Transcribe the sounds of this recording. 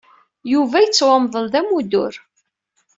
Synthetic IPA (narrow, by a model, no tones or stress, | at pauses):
juvæjət͡sːwɑmðˤəlðæmud̪ʊ̰ɾ